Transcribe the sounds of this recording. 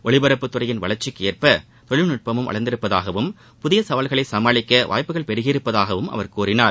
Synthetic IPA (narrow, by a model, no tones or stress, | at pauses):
ʔɔɭɪbɐɾɐpːɯt̪ːʊrɐjɪnʋɐɭɐɾt͡ʃɪkːeːrpɐ | t̪ɔɭɪlnʊʈ̚pɐmɯmɐ̰ɭɐnd̪ɪɾɯpːɐðaːɣɐʋɯm | pʊðɪjɐsɐʋɐlɣɐɭɐɪsɐmaːɭɪkːɐʋʔa̰ːjpːɯɣɐɭpɛɾɯɣɪɪɾɯpːɐðaːɣɐʋɯmʔɐ̰ʋɐɾkuːɾɪnaːɾ